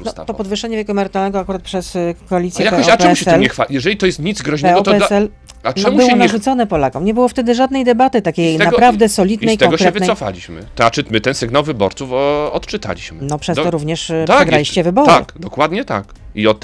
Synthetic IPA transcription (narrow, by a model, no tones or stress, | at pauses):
nɔt̪ɔpɔd̪vɨʂːɛɲɛvʲjekɔɛmɛɾt̪alnɛɡɔakuɾat̪̚pʂɛskɔalʲit̪sjɛjakpːapɛuɕɛt̪ɛlɲɛxfajɛʐɛlʲit̪ɔjɛst̪ɲid̪zɡɾɔʑnɛɔt̪ɛɛsɛl | aʈ͡ʂ̪ɛmubwɛɔnaʐut̪sɔnɛpɔlakɔ̃w̃ɲɛbɘwɔft̪ɛd̪ɘʐad̪̚nɛjd̪ɛbat̪ɘt̪akʲejnappɾavd̪ɛsɔlʲid̪nɛjkt̪ɛɔŋɡɔɕkɛvɘnɛjsɔfa̰lʲiɕmɘ̰t̪at͡ʂɨmɘt̪ɛnsɛɡnawvɘbɔɾt̪sufɔt̪t͡ʂɨt̪a̰lʲḭɕmɘnɔpʂɛst̪ɔɾuvɲɛʂp̪aʂɛɡalʲiɕt͡ɕɛvɘbɔɾaɨ̰kd̪ɔkwad̪ɲɛt̪a̰k | iɔt̪